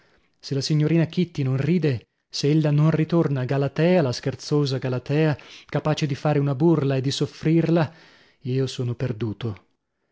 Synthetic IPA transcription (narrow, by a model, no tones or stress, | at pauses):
selːasiɲːoɾiːnak̟it̪ːinonriːd̪e | seelːanonrit̪ornaːɡalat̪ɛːalaskert̪soːzaɡalat̪ɛːakapaːt͡ʃed̪ifaːɾeunaburlaed̪ːisofːɾirla | iːosoːnoperd̪uːt̪o